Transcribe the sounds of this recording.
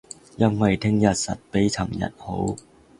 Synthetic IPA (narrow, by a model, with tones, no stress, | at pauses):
jɐ˥nwɐ˨jt̪ʰɪ˥ŋjɐ˨t̚sɐ̰˨t̚pe˨˥jt͡sʰɐ˨˩mjɐ̰˨˩t̚ho̰˨˥w